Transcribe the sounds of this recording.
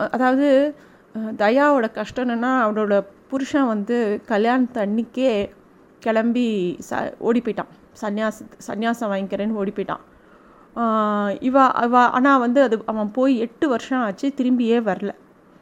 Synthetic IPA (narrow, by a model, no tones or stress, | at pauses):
ɐðaːʋɐðɯ | d̪ɐjaːʋoːɽɐkɐʂʈɐnɯnːaːɐʋɐnɔɽɐpʊɾʊʂɐ̃ːʋɐnd̪ɯkɐljaːnɐt̪ɐɳːɪkːeː | kɛɭɐmbisɐ̰ʔo̰ːɽipːɔːɪʈːã̰ː | sɐnjaːsɐsɐ̰njaːsɐ̃ʋaːŋɪkɪɾeːnːɯoːɽɪpːɔːɪʈːã̰ː | ɪʋãɪʋãːʔa̰ːnːaːʋɐnd̪ɯɐðɯʔɐʋɐ̃poːjiɛʈːɯʋɐɾʂɐ̃aːt͡ʃːɯt̪ɪɾɯmbɪjeːʋɐɾɐlɐ